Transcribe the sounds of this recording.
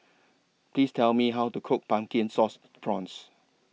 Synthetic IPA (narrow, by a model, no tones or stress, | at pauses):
pʰliːstʰɛlmiɦawtukʰʊk̚pãmkĩnsɔs | tɹɔ̃ns